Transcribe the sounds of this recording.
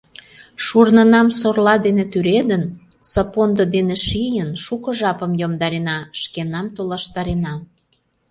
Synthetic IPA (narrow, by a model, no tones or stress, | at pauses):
ʃurnənɑmsorlɑd̪enet̪yɾed̪ən | səpond̪əd̪eneʃijənʃukɤ̆ʒɑpə̆mjomd̪ɑɾenɑʃkenɑmt̪olɑʃt̪ɑɾenɑ